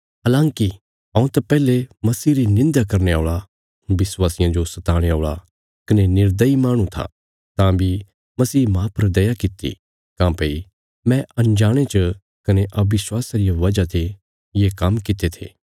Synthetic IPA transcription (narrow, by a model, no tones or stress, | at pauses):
ɐlãːŋki | ɐ̃ːũt̪ɐpɛːlemɐsiːɾinɪ̃nd̪akɐɾneaːɭa | ʋɪswaːsɪjãd͡ʒosɐt̪aːɽ̃eoːɭa | kɐnenɪɾd̪əimaːɽ̃ũt̪ʰa̰ | t̪ãbʱi | mɐsiːmãːpɐɾd̪ɐjakɪt̪ḭ | kãːpei | mɛ̃ʔɐ̃nd͡ʒaːɽ̃et͡ʃə | kɐneʔɐbɪswaːsaɾijaʋɐd͡ʒat̪ʰe | jeːkɐmkɪt̪et̪ʰḛː